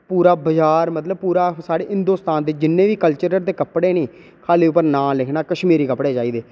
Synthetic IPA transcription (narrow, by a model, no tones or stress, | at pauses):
puːɾaːbəd͡ʒaːɾmət̪ləb̚puːɾaːsaːɽeːɦɪ̃nd̪oːst̪aːnd̪eːd͡ʒɪnːẽːʋiːkəlt͡ʃəɾəɾd̪eːkəpɽeːnẽː | kʰaːliːʊpːəɾnãːlɪkʰnaːkəʃmiːɾiːkəpɽeːd͡ʒaːiːd̪eː